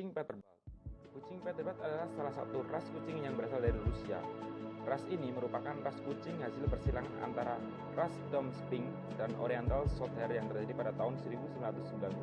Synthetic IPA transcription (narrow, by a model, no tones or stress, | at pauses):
t͡ʃɪŋpɛt̪ərbat̪̚kut͡ʃɪŋpɛt̪ərbat̪adalahsalahsa̰t̪uraskut͡ʃɪŋjaŋbəɾasaldaɾirusia̰rasiniməɾupakanraskut͡ʃɪŋɦasɪlpərsilaŋa̰nt̪aɾa | rasdɔmspɪŋ | danʔo̰ɾiant̪alsɔt̪ɛrjaŋt̪ərd͡ʒadipadat̪aɦʊnsəɾibusəmlat̪ʊsəmbila